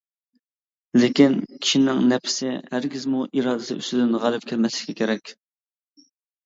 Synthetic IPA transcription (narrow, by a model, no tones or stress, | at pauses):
lɪkʲinkʲʰi̥ʃinɪŋnɛpʰɪ̥sɪhæɾɡʲizmuʔiɾɑːd̪ɪsɪ̰y̰st̪ɪd̪ɪnʁælˠɨp̚kʲʰɪɾmɛslɪ̥kʲɛkʲʰeɾɛkʲ